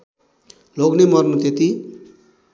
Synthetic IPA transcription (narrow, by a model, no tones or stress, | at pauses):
loɡnemʌrnut̪et̪i